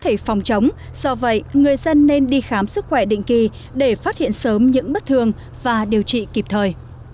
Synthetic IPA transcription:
t̪ʰe˧˩fɔ˨˩wŋ͡mt͡ɕə˨˦wŋ͡m | z̥ɔ˧və̰˧˨jŋɨ˨˩əjzə˧nːe˧nɗi˧xaː˨˦msɨ˦˥k̚xwɛ˧˩ɗḭ̈˧˨ŋ̟ki˨˩ | ɗe˧˩faː˦˥t̚hḭ˧˨ənsəː˨˦mɲɨ̰˧˥ŋɓə˦˥t̚t̪ʰɨ˨˩əŋ | vaː˨˩ɗi˨˩əwt͡ɕḭ˧˨ki˨˩p̚t̪ʰəː˨˩j

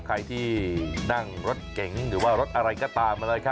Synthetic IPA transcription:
kʰa˧jt̪ʰiː˥˩na˥˩ŋɾo˦˥t̪̚ke˩˦ŋɾɯː˩˦waː˥˩ɾo˦˥t̪̚ʔa˧ɾa˧jkɔː˧˩t̪aː˧mʔa˧lɤː˧jkʰa˦˥˩

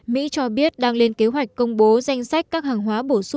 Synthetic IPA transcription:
mḭ˧˥t͡ɕɔ˧ɓi˦˥ət̚ɗaː˧ŋle˧nke˨˦ɦwa˨˩jk̟̚kə˧wŋ͡mɓo˨˦za˧jŋ̟sa˦˥jk̚kaː˦˥k̚haː˨˩ŋɦwaː˨˦ɓo˧˩s

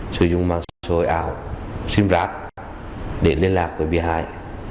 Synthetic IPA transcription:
sɨ˧˩˦zʊ̰˧˨ŋ͡mmaː˧ŋsa˧˩so˧˩jʔaː˧˩˨wsi˧mzaː˦˥k̚ | ɗe˧˩li˧ənlaː˨˩k̚vəː˨˧˩ɓi˧˩ɦaː˧˨j

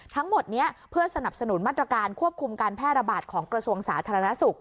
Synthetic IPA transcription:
t̪ʰa˦˥ŋmo˨˩t̪̚ni˦˥ɐʔpʰɯ˥˩ɐsa˧na˨˩p̚sa˧nu˨˩˦nmaː˥˩t̪ːɾa˧kaː˧nkʰu˥˩əp̚kʰu˧mkaː˧npʰɛː˥˩t̪̚ɾa˧baː˨˩t̪̚kʰɔː˩˦ŋkɾa˧su˧əŋsaː˩˦t̪ʰaː˧ɾa˧na˦˥su˨˩k̚

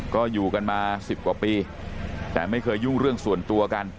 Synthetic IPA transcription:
kɔː˥˩juː˨˩ka˧nmaː˧si˨˩p̚kwaː˨˩piː˧ | t̪ɛ̰ː˨˩ma˥˩jkʰɤː˧jːu˥˩ŋɾɯ˥˩əŋsu˨˩ənt̪u˧ɐka˧n

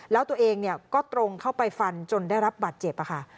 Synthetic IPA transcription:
lɛː˦˥wt̪u˧əʔeː˧ŋni˥˩ɐkɔː˥˩t̪ɾo˧ŋkʰa˥˩wpa˧jfa˧nt͡ɕo˧nda˥˩jɾa˦˥p̚baː˨˩t̪̚t͡ɕe˨˩p̚ʔa˨˩kʰa˥˩

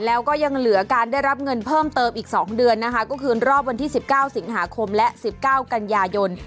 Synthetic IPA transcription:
lɛː˦˥wkɔː˥˩ja˧ŋlɯ˩˦ɐ˦kaː˧nda˥˩jɾa˦˥p̚ŋɤ˧npʰɤː˥˩mt̪ɤː˧mʔiː˨˩k̚sɔ̰ː˩˦ŋdɯ˧ənːa˦˥kʰa˦˥kɔː˥˩kʰɯː˧ɾɔː˥˩p̚wa˧nt̪ʰiː˥˩si˨˩p̚kaː˥˩wsi˩˦ŋɦaː˩˦kʰo˧mlɛ˦˥si˨˩p̚kaː˥˩wka˧njaː˧jo˧n

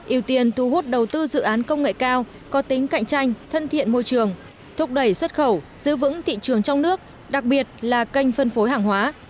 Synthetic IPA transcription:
ʔi˧˩əwt̪i˨˩ənt̪ʰu˨˩ɦo˦˥t̚ɗə˨˩wt̪ɨ˧zɨ̰˧˨ʔaː˨˦nkə˧wŋ͡mŋḛ˧˨jkaː˧w | kɔ˨˦t̪i˨˦ŋ̟ka̰˧˨jŋ̟t͡ɕa˧jŋ̟t̪ʰə˧nt̪ʰḭ˧˨ənmo˧jt͡ɕɨ˨˩əŋ | t̪ʰʊ˦˥k̚ɗə˧˩jswə˦˥t̚xə˧˩wz̥ɨ̰˧˥vɨ̰˧˥ŋt̪ʰḭ˧˨t͡ɕɨ˨˩əŋt͡ɕɔ˧wŋ͡mnɨ˦˥ək̚ | ɗa˨˩k̚ɓi˨˩ət̚laː˨˩kə˧jŋ̟fə˧nfo˨˦jɦaː˨˩ŋɦwaː˨˦

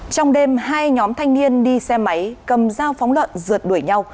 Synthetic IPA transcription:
t͡ɕɔ˧wŋ͡mɗe˧mɦaː˧jɲɔ˨˦mt̪ʰa˧jŋ̟ni˧ənɗi˧sɛ˧ma˨˦jkə˨˩mzaː˧wfɔ˨˦wŋ͡mlwə̰˧˨nzɨ˨˩ət̚ɗu˧˩əjɲa˧w

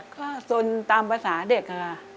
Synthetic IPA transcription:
kɔː˥˩so˧nt̪aː˧mpaː˧saː˩˦de˨˩k̚aː˧

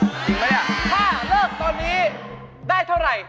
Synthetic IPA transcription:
t̪iː˨˧˩ŋlaː˦˥jʔa˨˩t̪ʰaː˥˩lɤː˥˩k̚t̪ɔː˧nːiː˦˥ | daː˥˩jt̪ʰa˥˩wɾa˧j

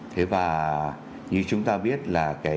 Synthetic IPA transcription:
t̪ʰe˨˦vaː˨˩ | ɲɨ˧˦t͡ɕʊ˨˦ŋ͡mt̪aː˧ɓi˦˥ət̚laː˨˩kaː˨˦

